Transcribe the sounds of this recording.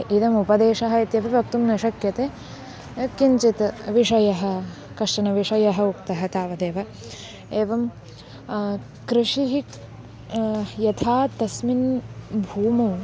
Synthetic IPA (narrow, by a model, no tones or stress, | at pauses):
id̪ɐmupɐd̪eːʂɐɦɐit̪jɐpbʱibʱɐk̚t̪umnɐʃɐkjɐt̪eː | kiɲt͡ʃit̪ɐʋiʂɐjɐɦɐ̆ | kɐʂʈɐnɐʋiʂɐjɐɦɐukt̪ɐɦɐt̪aːʋɐd̪eːʋɐ | eːʋɐm | kɾiʂiɦi | jɐt̪ʰaːt̪ɐsminbʱuːmɐw